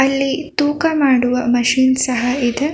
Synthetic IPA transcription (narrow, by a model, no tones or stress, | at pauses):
ɐlːit̪uːkɐmaːɽuʋɐmɐʃiːnsɐɦɐid̪e